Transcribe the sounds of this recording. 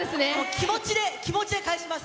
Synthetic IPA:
esɨneokʲʰimo̞t͡ɕid̪e̞kʲimo̞t͡ɕid̪e̞kaeɕimas

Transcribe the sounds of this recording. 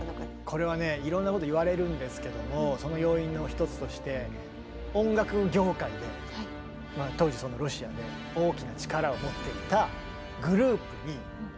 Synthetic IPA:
kʰo̞ɾe̞βane̞iɾõ̞nːako̞t̪oiβaɾe̞ɾɯ̟̃nd̪e̞sɨ̥ke̞d̪o̞mo̞so̞no̞jo̞ːĩnːo̞çi̥t̪o̞t͡sɨ̥t̪o̞ɕi̥t̪e̞ | õ̞ŋɡakɯ̟ɡʲo̞ːkaid̪e̞ | a | mat̪o̞ːʑiso̞no̞ɾo̞ɕiad̪e̞ | o̞ːkʲinat͡ɕi̥kaɾaomo̞t̪ːe̞it̪a | ɡɯ̟ɾɯ̟ːpɯ̟ɲ̟i

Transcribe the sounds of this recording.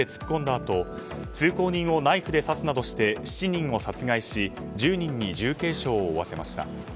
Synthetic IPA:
e̞t͡sɨ̥kʲi̥kõ̞nd̪aːt̪o̞ | t͡sɨːko̞ːɲ̟ĩɰ̃o̞naiɸɯ̟d̪e̞sasɨnad̪o̞ɕi̥t̪e̞ɕi̥t͡ɕiɲ̟ĩŋ̃o̞sat͡sɨɡaiɕi | d͡ʑɨːɲ̟ĩɲ̟ːid͡ʑɨːke̞ːɕo̞ːβase̞maɕi̥t̪a̰

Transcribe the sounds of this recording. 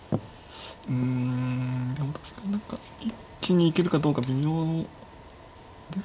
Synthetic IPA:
ɯ̟̃ | d̪emat̪ḁɕi̥ɡanãŋka | ikʲːiɲ̟iːke̞ɾɯ̟kad̪o̞ːkabʲimʲo̞ː | d̪e

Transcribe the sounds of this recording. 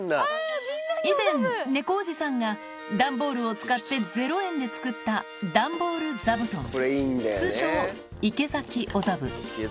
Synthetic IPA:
izẽ̞nne̞ko̞ːʑisãŋɡa | d̪ãmbo̞ːɾɯ̟o̞t͡sɨ̥kat̪ːe̞d͡ze̞ɾo̞ẽ̞nd̪e̞t͡sɨ̥kɯ̟t̪ːa | d̪ãmbo̞ːɾɯ̟d͡zabɯ̟t̪ooɾeind̪at͡sɨːɕoː | ike̞zakʲiʔo̞zabɯ̟

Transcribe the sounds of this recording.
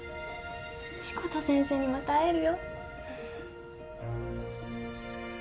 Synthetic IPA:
ɕi̥kot̪asẽ̞ɰ̃se̞ːɲ̟imat̪aːeɾɯ̟jo

